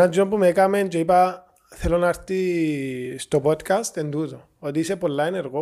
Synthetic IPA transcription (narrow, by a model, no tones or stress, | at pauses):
ad͡ʒɔmpumekamend͡ʒɔjpa | t̪ʰɛlɔnaɾt̪i | stɔbɔtkastɛnd̪utɔ | ɔd̪isɛpɔlːajnɛɾkɔ